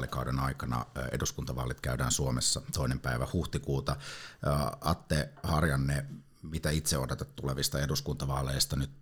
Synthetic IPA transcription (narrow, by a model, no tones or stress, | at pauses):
likɑudenɑikɑnɑ̰ḛduskunt̪ɑʋɑ̰ːlit̪kæydæːnsuomesːɑt̪oinempæiʋæhuht̪ikuːt̪ɑ | ɑt̪ːehɑrjɑnːe | mit̪æit̪seodet̪ɑt̪t̪ːuleʋist̪ɑeduskunt̪ɑʋɑːleist̪ɑnyt̪